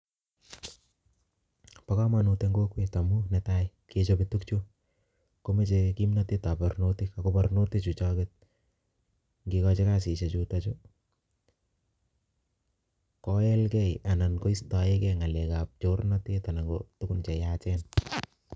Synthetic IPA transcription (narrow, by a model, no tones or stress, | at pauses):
pakamanuteŋɡokwetamunɛtaj | ket͡ʃopitukt͡ʃo | komet͡ʃekimnatetaparnotikakoparnotit͡ʃut͡ʃɔkɪt̚ | ŋɡikɔt͡ʃekas̬iʃet͡ʃutat͡ʃo | kɔɛlkɛjanankoistaekɛŋalekap̚t͡ʃornatetanaŋɡo̰tukʊnt͡ʃɛjat͡ʃɛn